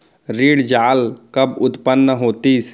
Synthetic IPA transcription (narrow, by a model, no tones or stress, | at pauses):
ɾiːɽd͡ʒaːlkəbʊt̪pənːəɦoːt̪iːs